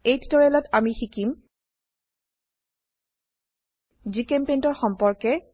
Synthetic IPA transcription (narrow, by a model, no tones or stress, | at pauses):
ejttɔɹɛlɔtamixikim | zikɛmpejntɔɹxɔmpɔɹkɛ